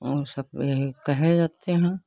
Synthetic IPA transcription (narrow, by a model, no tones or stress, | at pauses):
osɐb̚eikɛɦed͡ʒaːt̪eɦɛ̃